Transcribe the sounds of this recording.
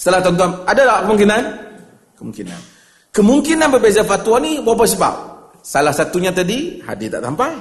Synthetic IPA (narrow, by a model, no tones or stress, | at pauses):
sə̥t̪əlaht̪ɔnt̪uanadadaʔkəmuŋkinan | kəmuŋkina̰n | kəmuŋkinanbərbezafat̪uanibabas̬əba̰p̚ | salahsat̪uɲat̪adiha̰dit̪a̰ʔtampaj